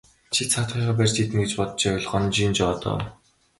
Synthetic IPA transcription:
t͡ɕʰiɮt͡sʰat̪χiːχaːpærʲt͡ɕit̪ɘ̆ŋɡet͡ɕpɔt̪t͡ɕawʲɪɮ̆χɔnt͡ɕiːnt͡ɕɔːt̪ɔ̰

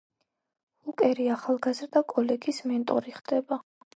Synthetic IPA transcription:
ukʼɛɾiaχalˠɡazɾd̪akʼɔlɛɡismɛnt̪ʼɔɾiχd̪ɛba

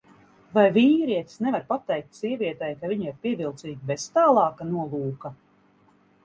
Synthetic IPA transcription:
vajviːɾiɛt̪snɛvaɾpat̪ːɛjk̚t̪ʲsiɛvʲiɛt̪ɛjkaviɲiɾpʲiɛvilˠt̪siːɡʲbez̥t̪aːlˠɑːkanuɔlˠuːka

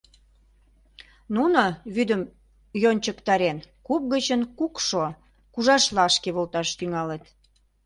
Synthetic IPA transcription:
nunoβyd̪əm | jonʲt͡ɕəkt̪ɑɾenkup̚ɣət͡ɕənkukʃo | kuʒɑʃlɑʃkeβolt̪ɑʃt̪yŋɑlet̪

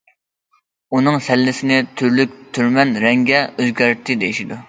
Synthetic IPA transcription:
unɨŋsɛlːɪsɪnɪt̪ʰyɾlyk̚ʲt̪ʰyɾmɛnɾɛŋɡʲɛøzɡʲæɾt̪ʰːɪd̪ejiʃid̪u

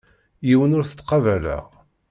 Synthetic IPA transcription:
jiwənʊɾθə̥t͡s̪ːqɑvælæ̰ʁ

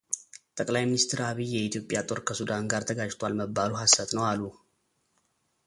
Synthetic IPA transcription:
t̪ʼəkʼlajminist̪ʰɾaβijːɛit̪ʰjo̞pʼːjat̪ʼo̞ɾkʰəsud̪anɡaɾt̪ʰəɡad͡ʒt̪ʰwalməbːaluɦasːət̪nəwalːu

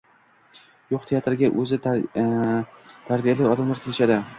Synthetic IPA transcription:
joqt̪ʰejat̪ɪɾɪɡʲaʔɵzɪ | t̪ʰaɾbijalɪɒd̪amlaɾkʲʰelɪʃad̪ɪ

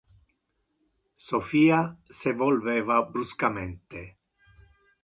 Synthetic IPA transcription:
sofiːasevolvɛːvabɾuskament̪e

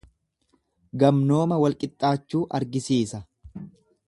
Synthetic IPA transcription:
ɡɐmno̞ːmɐwɐlkʼɪt̪ʼːaːt͡ʃːuːʔɐɾɡɪsiːsɐ

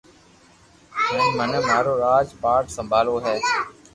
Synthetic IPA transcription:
ɛ̃ːmənmaːɾoːɾaːd͡ʒpaːɾʈsəmbʱaːloːɦɛː

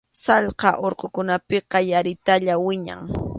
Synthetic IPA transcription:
sɑʎqɑʔoɾqokʊnapɪqɑjaɾɪt̪aʎawɪɲa̰ŋ

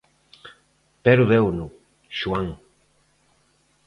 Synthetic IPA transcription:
peɾuðewnu | ʃuaŋ

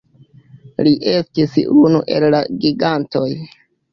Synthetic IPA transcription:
liʔe̞stisunṵʔe̞̰lːaɡiɡanto̞j

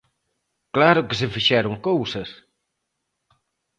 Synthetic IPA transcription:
klaɾʊkɪs̬ɪfiʃɛɾoŋkowsɐs

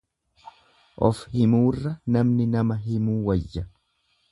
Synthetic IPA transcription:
ʔɔfhɪmuːrːɐnɐmnɪnɐmɐɦɪmuːwɐjːɐ

